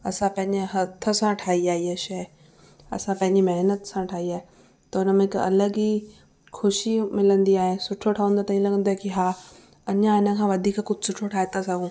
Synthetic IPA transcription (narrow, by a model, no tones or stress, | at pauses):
ɐsãpɐ̃ɦɪ̃ɲd͡ʑeɦɐt̪ʰə̆sãʈʰaːɦiaːieʃɐ | ɐ̰sãpɐ̃ɦɪ̃ɲd͡ʑimɐɦnət̪sãʈʰaːɦiaːɦe | t̪ɐʊnə̆mẽɪkɐ̰ləɡi | xʰʊʃimɪlə̃nd̪iaːɦẽsʊʈʰjoʈʰaːʋə̃nd̪at̪ɐĩlɐɡə̃nd̪aekiɦaː | ɐɲãɪnə̆kʰãːʋɐd̪ʱiːkkʊd͡ʑʱɪsʊʈʰoʈʰaːɦet̪asɐɡũː